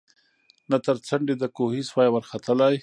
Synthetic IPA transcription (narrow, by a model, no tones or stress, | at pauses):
nat̪əɾt͡saɳɖed̪əkohiswɑjmaɾxat̪əlaj